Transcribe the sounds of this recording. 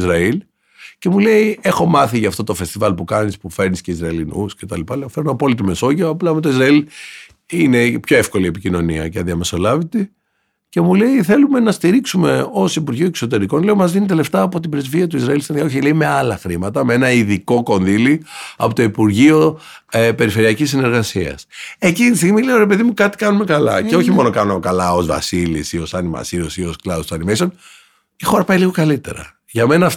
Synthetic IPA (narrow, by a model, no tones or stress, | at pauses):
zɾɐil | ce̞mule̞ie̞xo̞mɐθiʝɐːft̪o̞t̪o̞fe̞st̪ivɐlpukɐnispufe̞ɾnisceizɾɐilinusce̞t̪ɐlipɐleofeɾunoɐpo̞lit̪̬ime̞so̞ʝioɐplɐmet̪oizɾɐil | ine̞pço̞e̞fko̞liepicino̞niɐ̰cɐðiɐme̞so̞lɐvit̪i | ce̞mule̞iθe̞lume̞nɐst̪iɾiksume̞o̞sipuɾʝioekso̞t̪̬e̞ɾiko̞nle̞omɐzðinit̪eleft̪ɐːpo̞t̪ibɾezviɐt̪̬uizɾɐilst̪inijɐoçileimeɐlɐxɾimɐt̪ɐmeenɐiðiko̞ko̞nðiliɐ̰pot̪oipuɾʝio | epe̞ɾife̞ɾiɐcisːine̞ɾɣɐsiɐ̰se̞cint̪ist̪iɣmileoɾe̞pe̞ðimukɐt̪i̥kɐnume̞kɐlɐ̰ceo̞çimo̞no̞kɐnokɐlɐo̞zvɐ̰silḭsio̞sɐnimɐ̰siɾosio̞sklɐusɐnimejson | ixo̞ɾɐpɐiliɣo̞kɐlit̪e̞̰ɾɐ̰ | ʝɐme̞nɐ